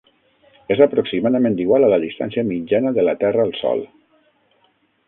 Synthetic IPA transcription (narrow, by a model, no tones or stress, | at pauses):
ezəpɾoksimaðəmẽnd̪iɣwalələðist̪a̰nsiəmid͡ʒanəðələt̪ɛrəːlˠsɔ̰lˠ